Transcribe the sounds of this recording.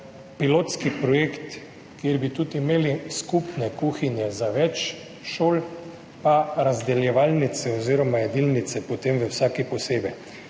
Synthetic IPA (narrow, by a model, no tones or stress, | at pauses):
piloːt̪skipɾɔjekt̪ | kjeɾbit̪ut̪imeːliskupnɛkuːxinjɛzaʋɛt͡ʃ | ʃoːl | paɾazd̪ɛljɛʋaːlnit̪sɛɔziɾɔmajɛd̪ilnit̪sɛpot̪emʋɛwsaːkipɔseːbɛj